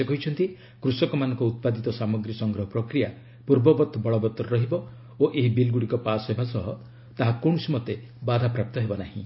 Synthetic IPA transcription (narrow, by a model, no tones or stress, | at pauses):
sekɔɦit͡ʃʰɔnt̪i | kɾusɔkɔmanɔŋkɔut̪̚pad̪it̪ɔsamɔɡɾisɔŋɡɾɔɦɔpɾɔkɾija | puɾbɔbɔt̪ɔbɔɭɔbɔt̪ɾɔɦibɔ | oʔeɦibilɡuɽikɔpasebʱasɔɦɔ | t̪aɦakoɳ̃ɔsimɔt̪e | bad̪ʱapɾap̚t̪ɔɦebɔnaɦḭ̃